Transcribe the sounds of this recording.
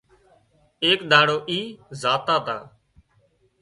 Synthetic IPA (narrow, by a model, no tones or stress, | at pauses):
eːkɗ̪ãːɽoːʔiːzaːt̪aːt̪ã̰ː